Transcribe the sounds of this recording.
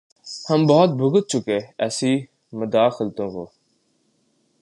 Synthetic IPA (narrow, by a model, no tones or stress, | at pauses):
həmbɔːt̪̚bʱʊɡət̪̚t͡ʃʰʊkeːɛːsiː | mʊd̪aːxɪlt̪õːkoː